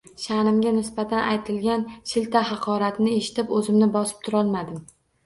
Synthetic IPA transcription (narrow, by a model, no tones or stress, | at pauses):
ʃanɪmɡʲanɪsbat̪ʰanʔajt̪ʰɪlɡʲanʃɪlt̪ʰahɑqʰɒɾat̪nɪe̞ʃɪ̥t̪ʰɪpɵzɪmnɪbɒsɪ̥p̚t̪ʰʊɾɒlˠmad̪ɪm